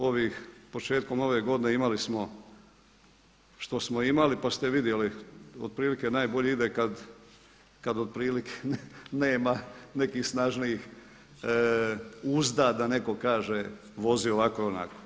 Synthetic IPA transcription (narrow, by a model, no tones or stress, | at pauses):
o̞ʋixpo̞t͡ʃe̞ːt̪̚ko̞mo̞ʋe̞ɡo̞d̪ineimalismo̞ | ʃt̪o̞smo̞imalipast̪e̞ʋid̪je̞liod̪̚pɾiːlike̞naːjbo̞ʎeid̪ekad̪ | kad̪od̪̚pɾiːlikʰeneːmane̞kiːxsnaʒniix | uzd̪aːd̪ane̞ko̞kaːʒe | ʋo̞zioʋakoona̰ko̥